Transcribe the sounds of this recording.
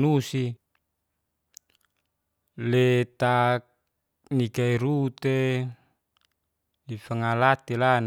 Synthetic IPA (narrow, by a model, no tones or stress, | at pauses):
nusi | let̪ak | nikaiɾut̪e | lifaŋalat̪elan